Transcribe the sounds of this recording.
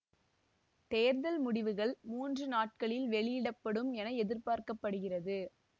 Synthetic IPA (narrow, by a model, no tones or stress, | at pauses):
t̪eːɾðɐlmʊɽɪʋɯɣɐɭmuːndrɯnaːʈ̚kɐɭɪlʋɛɭɪjɪɽɐpːɐɽɯmɛnɐɛðɪɾpaːɾkɐpːɐɽɯɣɪrɐðɯ